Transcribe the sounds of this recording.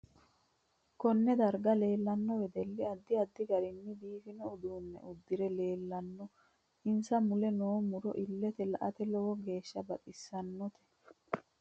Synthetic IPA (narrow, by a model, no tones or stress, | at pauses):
kɔnːɛd̪ɐɾɡɐle̞ːlːɐnːɔwɛd̪ɛlːɪɐd̪ːɪɐd̪ːɪɡɐɾɪnːɪb̪iːfɪnɔːd̪uːnːɛ̰ʔʊd̪ːɪɾɛle̞ːlːɐnːɔ | ɪnsɐmʊlɛnoːmʊɾɔʔɪlːɛt̪ɛlɐʔɐt̪ɛlɔwɔɡe̞ːʃːɐbɐt̪ʼɪsːɐnːɔt̪ʰɛ̥